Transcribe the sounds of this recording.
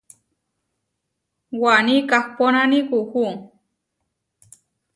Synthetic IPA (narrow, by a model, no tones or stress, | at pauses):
wanikahponanikuhu